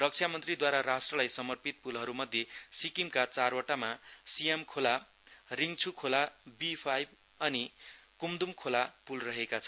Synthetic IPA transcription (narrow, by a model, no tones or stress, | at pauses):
rʌk̚t͡sʰjamʌnt̪rid̪waɾaɾasʈrʌlajsʌmʌrpit̪̚pulɦʌɾumʌd̪ʱjesikimkat͡sarwʌʈamasijemkʰola | riŋt͡sʰukʰolabipʰajb | ʌnikumd̪umkʰolapulrʌɦekat͡sʰʌn